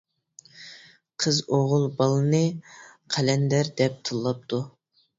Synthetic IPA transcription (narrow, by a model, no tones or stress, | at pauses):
qʰəzoʁʊlˠbɑlˠɨnɨqʰælɛnd̪æɾd̪ɛp̚t̪ʰɨlˠːɑp̚t̪ʰu